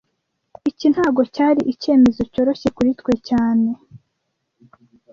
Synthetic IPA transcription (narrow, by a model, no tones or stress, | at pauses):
icin̥haːɡo̞caːɾiʔice̞ːme̞zo̞co̞ːɾo̞çe̞kuɾitkwe̞caːne̞